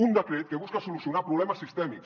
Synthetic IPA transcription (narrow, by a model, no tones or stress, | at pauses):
und̪əkɾet̪̚keβuskasulusiunapɾuβlɛməsːist̪ɛmiks